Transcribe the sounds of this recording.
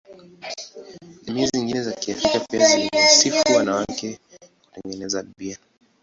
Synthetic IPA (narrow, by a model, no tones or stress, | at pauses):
miaziŋɡinɛzakiafɾikapiaziniasifiwanawakɛku̥tɛŋɡɛnɛzaiɓia